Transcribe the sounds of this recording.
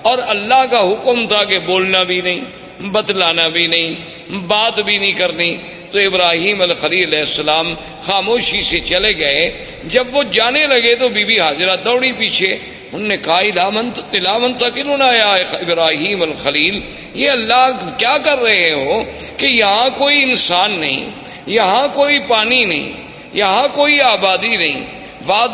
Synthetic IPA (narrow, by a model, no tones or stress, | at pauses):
ɔːɾɐlːaɦkaɦʊkmt̪ʰakeboːlnabʱinɐɦĩː | bɐd̪laːnabʱinɐɦĩː | baːt̪bʱinĩkɐɾni | t̪oɪbɾaːɦiːmɐlxəliːlɐlɛːɪsːəlaːm | xaːmoːʃiset͡ʃɐleɡɐe | d͡ʒɐbʋod͡ʒaːnelɐɡet̪̬obʱiːbiɦaːd͡ʒɾad̪ɔːɽipiːt͡ʃʰe | ʊnːekɐɦaɪaɪlaːmʊ̃nt̪əkɪlʊnaːjaɪbɾaːɦiːmɐlxɐliːl | jeɐlːakjaːkɐɾːɐɦeɦoːkejɐɦãkoːiɪnsaːnːɐ̰ɦḭ̃ | jɐɦãkoːipaːninɐ̰ɦḭ̃ː | jɐɦãkoːiaːbaːd̪inɐɦḭ̃ː | ʋaː